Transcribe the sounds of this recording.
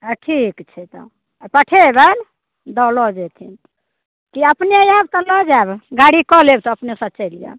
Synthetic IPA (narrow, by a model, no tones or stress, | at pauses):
aʈʰikt͡ʃʰɛt̪ɔ̰ | pəʈʰebən | d̪ɔlɔd͡ʒɛt̪ʰin | kiəpneajabt̪ɔlɔd͡ʒabɡaɽikɔlebt̪ɔəpnesət͡ʃɛlijə̰